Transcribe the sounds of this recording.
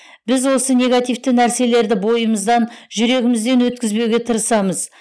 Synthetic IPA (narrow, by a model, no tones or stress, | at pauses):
bɪzwo̞sənʲe̞ɡat̪ijft̪ənæɾse̞le̞ɾd̪ɪbo̞jəməzd̪ɑnʒʏɾe̞ɡʲɪmɪzd̪e̞nwɵt̪̚kʲɪzbe̞wɡʲe̞t̪ʰəɾəsɑməz